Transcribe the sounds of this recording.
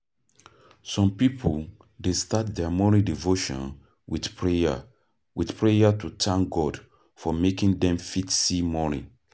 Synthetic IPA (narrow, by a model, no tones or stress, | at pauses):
sɔ̃mpipʰol | destat̚dɛmɔnidivoʃɔ̰̃n | wiðpɹea | wiθpʰɹejatʰutʰãŋɡɔd | fɔmekĩŋdɛ̃mfitsimɔnḭ